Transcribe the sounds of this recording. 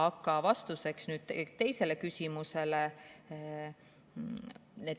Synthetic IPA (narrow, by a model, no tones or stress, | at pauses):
ɑkːˑɑvɑst̪use̞ksnyːd̪̥t̪et̪e̞jse̞le̞kysʲimuse̞le | ned̪